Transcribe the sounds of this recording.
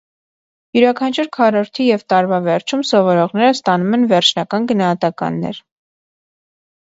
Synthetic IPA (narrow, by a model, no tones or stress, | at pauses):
juɾɑkʰɑnt͡ʃʰuɾkʰɑɾɔɾt̪ʰijɛvt̪ɑɾvɑvɛɾt͡ʃʰumsɔvɔɾɔʁnɛɾəst̪ɑnumɛnvɛɾt͡ʃʰnɑkɑnɡənɑhɑt̪ɑkɑ̰nːɛ̰ɾ